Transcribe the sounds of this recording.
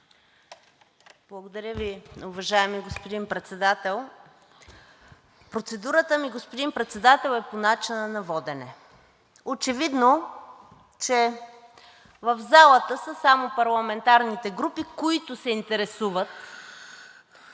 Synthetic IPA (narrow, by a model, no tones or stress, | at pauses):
b̥lˠɐɡod̪ɐɾʲjəviʊvɐʒaɛmiɡospod̪inpɾɛt̪sɛd̪at̪ɛlˠ | pɾot̪sɛd̪uɾət̪əmiɡospod̪inpɾɛt̪sɛd̪at̪ɛlˠɛponat͡ʃinənɐvɔd̪ɛnɛ | ot͡ʃɛvid̪no | t͡ʃɛ | vəvzalˠət̪əsəsamopɐɾlˠɐmɛnt̪aɾnit̪ɛɡɾupikoit̪ʊsɛint̪ɛɾɛsuvət̪